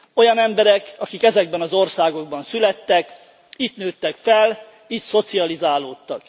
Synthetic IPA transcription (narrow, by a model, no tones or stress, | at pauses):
o̞jɒnɛmbɛɾɛkɒkikɛzɛɡbɛnɒzo̞rsaːɡo̞ɡ̚bɒnsylɛt̪ːɛk | it̪nøːt̪ːɛkfɛl | it̪so̞t̪siɒlizaːloːt̪ːɒk